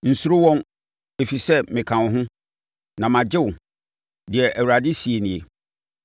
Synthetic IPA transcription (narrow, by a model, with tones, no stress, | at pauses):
n̩˨su˦ɾo˦wɔ̃˦n | e˨fi˨sɛ˦mɪ̃˨kʰã˨n˨ɦʊ̃˦ | nã˨mã˨d͡ʑɪ˦ʊ˨ | dɪ˨ɛ˨ʔæ˨wu˨ɾa˨dɪ˦si˨e˨nɪ̃˨e˨